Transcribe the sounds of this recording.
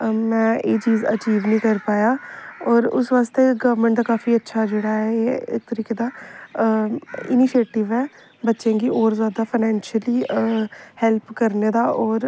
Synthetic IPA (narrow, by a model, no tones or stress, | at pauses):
mɛ̃ːeːt͡ʃiːzə̰t͡ʃiːʋnĩːkəɾpaːjaːɔːɾʊ̰sʋaːst̪eːɡəʋɾmə̃ɳʈd̪aːkaːfiːətːʃʰaːd͡ʒeːɽaːɛeːɪ̰k̚t̪əɾiːkeːd̪aː | ɪniːʃeːʈɪʋɛː | bətːʃẽːɡiːʔɔːɾzjaːd̪aːpʰaːnɛːnʃəliː | hɛlpkəɾneːd̪aːʔɔːɾ